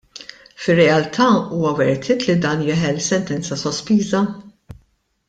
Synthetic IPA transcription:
fɪrːɛɐlt̪ʰɐuːwɐwɛɾt̪ʰɪːt̪lid̪ɐːnjɪːħɛlsɛnt̪ɛnt͡sɐsɔspiːzɐ

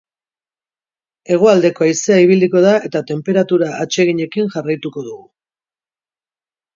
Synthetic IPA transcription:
e̞ɣ̞oald̪e̞ko̞ajse̞aiβ̞iliko̞ð̞ae̞t̪at̪e̞mpe̞ɾat̪uɾaːt͡ʃe̞ɣiɲe̞kinʝarajt̪uko̞ð̞uɣu

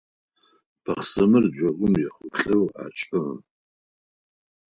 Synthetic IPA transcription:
b̥ʰɐχsɐmɨrd͡ʒʷɐɡʷʊmjɛχʷʊɬʼɨwa̰ːt͡ʃʼɨ

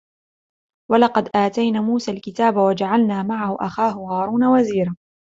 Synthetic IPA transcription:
walɑqɑd̪ʔaːt̪ajnaːmuːsaːlkɪt̪aːbawad͡ʒaʕalnaːmaʕahʊʔa̰xaːɦʊhaːɾˤuːnawaziːɾa

